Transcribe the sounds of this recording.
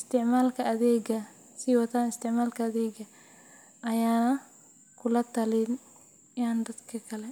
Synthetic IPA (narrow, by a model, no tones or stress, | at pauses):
st̪ʰɪʕmaːlkʰɐʔɐðɛːɡɐ | sɪwɐt̪ʰaːnɪst̪ʰɪʕmaːlkʰɐːðɛːɡɐ | ʔɐjaːnɐ | kʰʊlɐt̪ʰɐlɪn | jaːnd̪ɐd̪kʰɐkʰɐlɛ